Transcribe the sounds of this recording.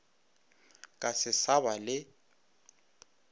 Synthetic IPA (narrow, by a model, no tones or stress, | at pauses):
kʼasɪsaβalɪ